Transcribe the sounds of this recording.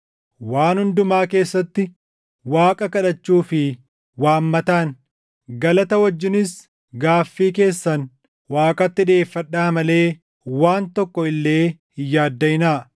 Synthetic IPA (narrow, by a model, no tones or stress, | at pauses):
waːnhʊnd̪ʊmaːke̞ːsːɐt̪ːɪ | waːkʼɐkɐᶑɐt͡ʃːuːfɪ | waːmːɐt̪aːn | ɡɐlɐt̪ɐwɔd͡ʒːɪnɪs | ɡaːfːiːke̞ːsːɐn | waːkʼɐt̪ːɪᶑe̞ːfːɐᶑːaːmɐle̞ː | waːnt̪ɔkːɔɪlːe̞ːhɪjːaːd̪ːɐjɪnaː